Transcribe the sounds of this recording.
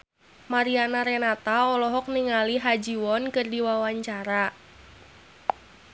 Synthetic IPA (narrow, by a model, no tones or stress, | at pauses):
maɾianaɾenat̪aɔlɔɦɔk̚niŋaliɦad͡ʒiwɔnkɨrdiwawaɲt͡ʃaɾa